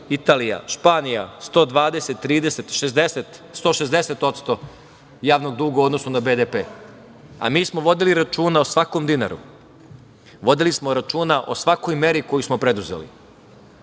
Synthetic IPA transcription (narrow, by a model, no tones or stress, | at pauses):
it̪aːlija̰ʃpaːnijast̪o̞ːd̪ʋaːd̪e̞set̪ːɾiːd̪eset̪ʃezd̪eset̪st̪o̞ʃe̞zd̪ese̞t̪o̞t̪st̪o̞ | jaːʋno̞ɡ̚d̪uːɡauod̪nosunabeːd̪epeː | a̰miːsmo̞ʋo̞d̪iliɾat͡ʃuːnaosʋakomd̪ina̰ɾṵ | ʋo̞d̪ilismo̞ɾat͡ʃuːnaʔo̞sʋako̞jme̞ɾiko̞jusmo̞pɾe̞d̪uzḛlḭ